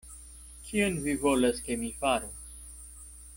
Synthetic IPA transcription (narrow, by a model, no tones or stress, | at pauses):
kʰionvivolaskemifaɾos